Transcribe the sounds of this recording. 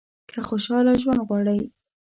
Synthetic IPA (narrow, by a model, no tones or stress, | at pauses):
kʰaxoʃɑlaʒwand̪ɣwɑɽəj